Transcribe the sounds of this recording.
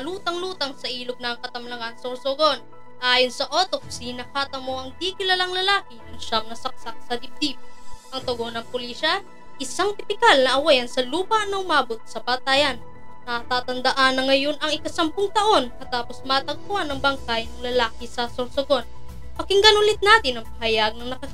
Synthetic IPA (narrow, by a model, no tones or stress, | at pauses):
ɐluːt̪ɐŋluːt̪ɐŋsɐʔiːloɡ̚nɐːŋkɐt̪ɐmlɐŋansoɾsoɡo̞n | ʔaːjonsɐʔoːt̪ok̚sinɐkaːt̪ɐmo̞ʔɐŋd̪ikɪlalɐŋlɐlaːkɪnɐŋʃamnɐsɐk̚sak̚sɐd̪ip̚d̪ip̚ʔɐŋt̪ɐɡo̞nɐŋpʊliːʃɐ | ʔɪsaŋt̪ɪpɪkalnɐʔɐwajɐnsɐluːpɐnɐʊmaːbo̞t̪̚sɐpɐt̪aːjɐnː | ɐt̪aːt̪ɐnd̪ɐʔanɐŋɐjo̞nɐŋɪkɐsɐmpʊŋt̪ɐʔo̞nkɐt̪aːpo̞smaːt̪ɐɡ̚pʊhanːɐŋbɐŋkajnɐŋlɐlaːkɪsɐsoɾsoɡo̞n | pɐkɪŋɡɐnʊlɪt̪̚naːt̪ɪnɐŋpɐhɐjaɡ̚nɐŋnɐkɐk